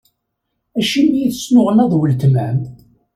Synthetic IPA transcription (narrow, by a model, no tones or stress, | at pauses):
æʃimːjiθəsnʊʁənɑðˤwəlt̪mæm